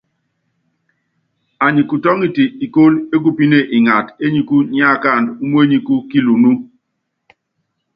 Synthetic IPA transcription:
a˨ɲi˨ku˨tɔ˦ŋi˨ti˨i˨ko˦le˦ku˦pi˦ne˦˨ʔi˨ŋa˨te˦ɲi˨ku˦ɲi˦a˦˨ka˦˨ndu˦mu˦e˦ɲi˨ku˦ki˦lu˨nu˦

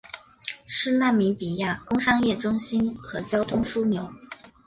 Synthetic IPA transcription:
ʂɻ̩˥˧na˥˩nmi˧˥ŋpi˨˩ja˥˩kʊ˥ŋʂɑ˥ŋjɛ˥˩ʈ͡ʂʊ˥ŋɕi˥nxɤ˧˥t͡ɕjɑ˥ʊt̪ʰʊ˥ŋʂu˥njo˧˥ʊ

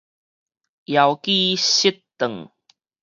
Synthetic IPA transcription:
ʔja˨wki˦˧ɕi˦tt̪ə˨˩ŋ

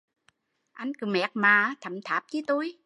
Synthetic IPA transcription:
ʔa˧jŋ̟kɨ˨˩mɛ̰˨˩k̚maː˨˩˦t̪ʰə˨˩mt̪ʰaː˨˩p̚t͡ɕi˨˧˦t̪u˧j

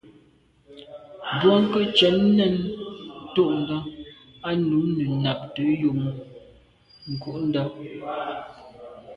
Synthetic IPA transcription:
bwɔ˦ŋ̩˦kə˦t͡ʃɛ˨˦nː˦ɛ˦˨n˦ | to˦˨ʔŋ̩˨ɡa˦ | a˦nu˨˦nə˨na˨p̚tə˨˦jo˨m˨ | ŋ̩˨ko˦ʔn̩˦da˦

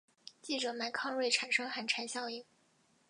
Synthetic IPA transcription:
t͡ɕi˥˩ʈ͡ʂɤ˨˩ma˧˥ɪkʰɑ˥˧ŋwe˥˩ɪʈ͡ʂʰa˨˩nʂɤ˥ŋxa˨˩nʈ͡ʂʰa˧˥nɕjɑ˥˧ʊi˥˩ŋ

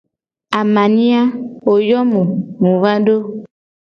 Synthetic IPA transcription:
a˨mã˨nĩ˦a˦wo˨jɔ˦mũ˨ŋũ˨va˦ɖo˦

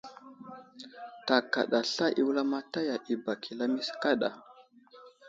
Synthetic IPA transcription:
ta˨ka̰˨ɗa˨ɬa˦ʔi˨wla˦ma˦ta˦ja˨ʔi˨ba˨kʰi˨la˦mi˦ska˦ɗa̰˨

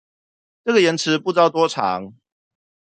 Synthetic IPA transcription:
ʈ͡ʂɤ˥˩ɡə˨jɛ˨˦nt͡s̩ʰ˨˦pu˥˧t͡sɑ˥˩ʊt̪wɔ˥ʈ͡ʂʰɑ̰˨˦ŋ

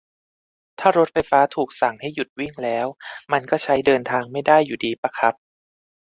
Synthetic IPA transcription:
t̪ʰaː˥˩ɾo˦˥t̪̚fa˧jfaː˦˥t̪ʰuː˨˩k̚sa˨˩ŋha˥˩jːu˨˩t̪̚wi˥˩ŋlɛː˦˥wma˧nkɔː˥˩t͡ɕʰa˦˥jdɤː˧nt̪ʰaː˧ŋma˥˩jdaː˥˩jːuː˨˩diː˧pa˧kʰa˦˥p̚

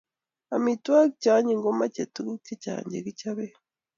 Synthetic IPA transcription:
a˨mitwa˦ɡicaː˨˦ɲi˨ŋɡo˦ma˦ce˨tu˦ɡi˦ce˦ca̰ːɲɟe˨ɡi˦caβe

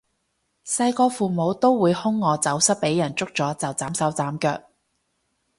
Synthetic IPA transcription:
sɐ˧jkɔː˧fuː˨mo˨˧wt̪o˥wwuː˨˧jhʊ˥ŋːɔː˨˧t͡sɐ˨˥wsɐ˥pe˨˥jɐ˨˩nt͡sʊ˥k̚t͡sɔː˨˥t͡sɐ˨˩wt͡saː˨˥msɐ˨˥wt͡saː˨˥mkœ̰ː˧k̚

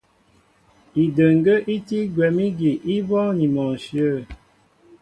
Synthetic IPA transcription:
i˨də˨ŋ˨ɡə˦ʔi˦ti˦ɡwɛ˨mi˦ɡi˨ʔi˦bɔ˦ni˨mɔ˨sjə˦˨

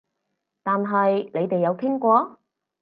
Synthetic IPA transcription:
t̪aː˨nɦɐ˨jle˨˧jt̪e˨jːɐ˨˧wkʰɪ˥ŋkʷɔː˧

